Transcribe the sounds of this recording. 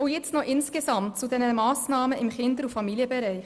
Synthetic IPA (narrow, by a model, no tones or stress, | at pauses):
ʊjɛt͡snɔʔɪnskesɑmtt͡sudɛnəmɑːsnɑːməɪmχɪnd̪əɾufɑmiliəbɛɾɛɪχ